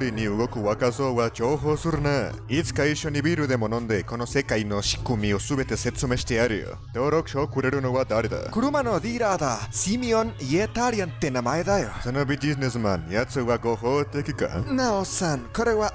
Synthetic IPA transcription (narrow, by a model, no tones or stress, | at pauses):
ɾʲiɲ̟iɯɡo̞kɯ̟βakaso̞ːβad͡ʒoːɦo̞ːsɯɾɯna | it͡sɨ̥kaiɕːo̞ɲibiɾɯ̟d̪e̞mo̞nõ̞nd̪e̞ko̞no̞se̞kaino̞ɕi̥kɯmʲio̞sɨbe̞t̪e̞se̞t͡someɕi̥t̪e̞aɾɯ̟jo̰ | t̪o̞ːɾokɯ̥ɕokɯɾe̞ɾɯ̟no̞βad̪aɾed̪a̰kɯɾɯmanod̪iːɾaːd̪asimioniet̪aɾʲiant̪enamaed̪ajosonobid͡ʒid͡ʑinesɨmãnjat͡sɨβaɡoɦoːt̪e̞kʲika̰naosankoɾeβa